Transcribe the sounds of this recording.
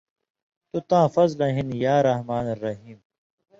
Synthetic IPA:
t̪ut̪ãːfɐzlɐɦinjaːɾɐhmaːnɐɾːɐɦiːm

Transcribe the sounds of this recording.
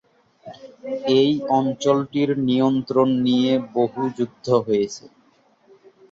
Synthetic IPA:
ejɔnt͡ɕolʈiɾnijont̪ɾonːijeboɦud͡ʑud̪ʱːoɦojet͡ɕʰe

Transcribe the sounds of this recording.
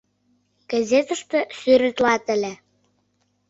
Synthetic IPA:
ɡ̥ɑzʲet̪ə̆ʃt̪ɤ̆syɾɘ̆t̪lɑt̪ə̆lʲe

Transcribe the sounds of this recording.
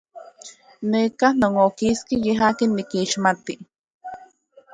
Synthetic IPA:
neːkahnoŋokiskijeɦaːkenːikiːʃmat̪i

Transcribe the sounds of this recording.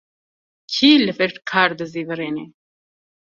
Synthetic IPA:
kʰiːləfeʈkʰaːɾd̪əzivəɾeːne

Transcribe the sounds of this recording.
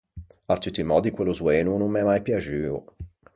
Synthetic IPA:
at̪ːut̪ːimɔːd̪ikweluzweːnunummɛmajpjad͡ʒyːo̰

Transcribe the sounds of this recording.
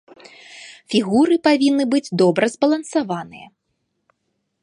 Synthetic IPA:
fʲiɣuɾɨpavʲinːɨbɨd͡zʲd̪ɔbɾɐzbɐlˠɐnsavanɨjɐ̰

